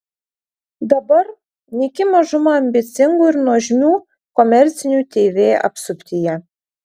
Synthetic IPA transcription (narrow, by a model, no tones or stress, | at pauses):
d̪ɐbɐɾ | nʲɪkʲɪmɐʒʊmɑɐmʲbʲɪt̪sʲɪŋɡuːɪɾnuɔʒʲmʲuː | kɔmʲɛɾʲt̪sʲɪnʲuːt̪ʲeːʋʲeːʔɐ̰psʊpʲt̪ʲɪjɛ